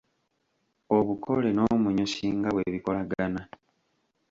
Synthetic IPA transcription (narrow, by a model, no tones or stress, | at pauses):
oβukʰole̞no̞ːmuɲosiːŋɡaβweβiko̞laɡana